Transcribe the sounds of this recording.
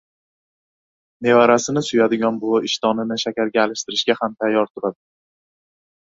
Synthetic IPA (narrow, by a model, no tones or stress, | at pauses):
ne̞vaɾasɪnɪsʊjad̪ɪɡʲɒnbʊɪʃt̪ʰɒnɪnɪʃakʲaɾɡʲaːlɪʃt̪ɪɾɪʃɡʲahamt̪ʰajːɒɾt̪ʰʊɾad̪ɪ